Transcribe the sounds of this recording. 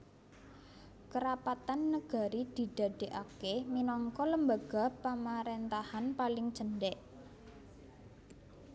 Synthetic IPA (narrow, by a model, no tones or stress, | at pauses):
kəɾapat̪anːəɡ̥a̤ɾid̪̥i̤d̪̥ä̤ɖ̥e̤ʔakeminɔŋkɔləmbaɡ̥a̤pamaɾent̪ahanpalɪŋd̥ʒ̥ə̤nɖɛʔ